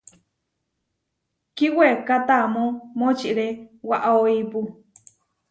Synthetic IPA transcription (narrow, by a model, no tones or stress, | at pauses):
kiwekat̪amõmot͡ʃiʔɾewaʔaoipu